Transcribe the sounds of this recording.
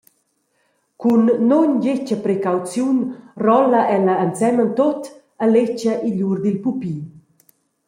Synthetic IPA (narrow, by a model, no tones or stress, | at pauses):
kunːoɲɟet͡ʃəpɾekawt͡sjunrɔləʔɛləːnt͡sɛmənt̪ot̪ | əlet͡ʃəʔiʎuɾd̪ilpupiː